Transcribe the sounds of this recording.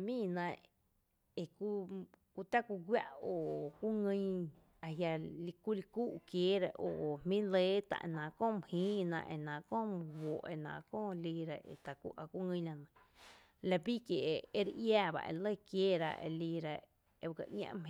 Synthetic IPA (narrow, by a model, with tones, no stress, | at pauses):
mĩː˦˨nã˧ | e˨ku˦ku˧t̪a˦kʷu˧ɡwja̰˦ʔo˨kʷu˦ŋə̃˦˧ɲ | a˧ɦja˧li˧ku˦li˧ku˦ʔkjeː˦ɾa˧ʔo˨mmĩː˦le˦t̪a̰˧ʔe˧nã˨kõː˦˨m˨hĩː˦nã̰˧ʔe˧˨nã˨kõː˦˨m˧wo˨ʔe˧˨nã̰˨kõː˦˨liː˧ɾa˧ʔḛ˨t̪a˨kʷṵ˧ʔa˧˨kʷu˦ŋə̃˧˦˧la˧nə̃˨ | la˧bi˦kje˨ʔe˦ɾʔjaː˧˨ba̰˧ʔḛ˧˨lə˦˨kjeː˦˨ɾa̰˧˨ʔḛ˧liː˧ɾa˧ | e˧ka̰˧ʔɲã̰˧ʔm˧